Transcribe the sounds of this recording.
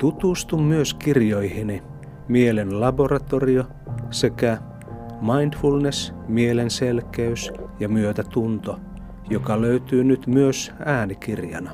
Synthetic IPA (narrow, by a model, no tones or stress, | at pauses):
t̪ut̪ust̪ummyøskirjoihini | mielenlɑborɑt̪orio | sekæ | mɑindfulnesmielenselkeysjɑmyøt̪æt̪unt̪o | jokɑløyt̪yːnyt̪myøsæːnikirjɑ̰nɑ